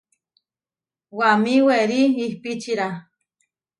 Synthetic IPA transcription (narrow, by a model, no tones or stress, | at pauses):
wamiweɾiːhpit͡ʃiɾa